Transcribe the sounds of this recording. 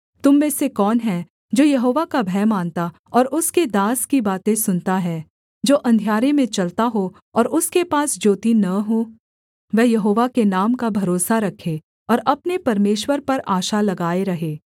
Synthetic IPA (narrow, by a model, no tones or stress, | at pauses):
t̪ʊmːẽːsekɔːnɦɛ̃ | d͡ʒoːjɐɦoːʋakabʱɛːmaːnt̪a | ɔːɾʊsked̪aːskibaːt̪ẽsʊnt̪aɦɛː | d͡ʒoːʔɐ̃nd̪ʱijaːɾemẽt͡ʃɐlt̪aɦo | ɔːɾʊskepaːsd͡ʒoːt̪inɐɦoː | ʋɛːjɐɦoːʋakenaːmkabʱɐɾoːsaɾɐkʰe | ɔːɾɐpnepɐɾmeːʃwəɾpɐɾaːʃalɐɡaːeɾɐɦeː